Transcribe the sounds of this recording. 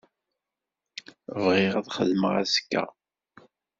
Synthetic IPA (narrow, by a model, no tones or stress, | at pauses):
vʁɪʁæðχəðməʁæ̰skːæ̰